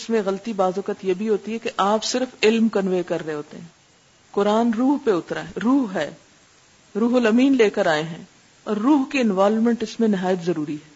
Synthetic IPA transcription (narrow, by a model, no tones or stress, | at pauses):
ɪsmẽɣɐlət̪ibaːzɔkət̪jebʱiɦoːt̪iɦɛkeʔaːpsɪɾfɪlmkɐnʋeːkɐɾːɦeɦoːt̪ḛɦɛ̃ | kʊɾaːnɾuːɦpeʊt̪ɾa̰ːɦɛɾuːɦɦɛː | ɾuːɦolɐmiːnleːkəɾaːeɦɛ̃ː | ɔːɾːuːɦkeɪnʋaːlmɛ̃ɳʈɪsmẽnɪɦaːjət̪zɐɾuːɾiɦɛː